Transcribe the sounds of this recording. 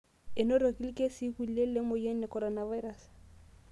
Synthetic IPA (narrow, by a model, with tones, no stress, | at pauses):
ɪ˨nɔ˦ɾo˨ki˦li˦ke˦si˦ku˨le˦le˦mʊ˨jɛ˦nɛ˨kɔ˨ɾɔna˨va˦jɾa˨s